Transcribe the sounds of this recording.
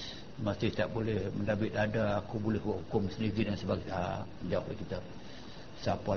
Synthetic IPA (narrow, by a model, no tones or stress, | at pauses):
masɪht̪aʔbolɛhməndabɪt̪adaːkubolɛhuaʔhukʊmsəndiɡidəŋansəbaɡaa | d͡ʒauʔlahkit̪a | sapa